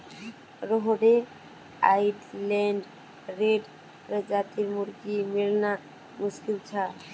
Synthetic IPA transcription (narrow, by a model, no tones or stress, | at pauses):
ɾɔɦɔɖe | a̰iʈleɳɖ | ɾeɖ | ɾəd͡ʒat̪iɾmuɾɡimilna | mʊskilt͡ʃʰa